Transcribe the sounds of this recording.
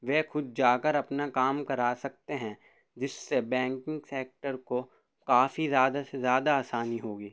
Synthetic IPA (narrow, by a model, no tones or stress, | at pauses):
ʋeːxʊd̪̚d͡ʒaːkəɾɐpnakaːmkɐɾaːsɐk̚t̪eɦɛ̃ | d͡ʒɪsːebɛ̃ːŋkɪ̃ŋɡseːk̚ʈəɾko | kaːfizjaːd̪asezjaːd̪aaːsaːniɦoːɡiː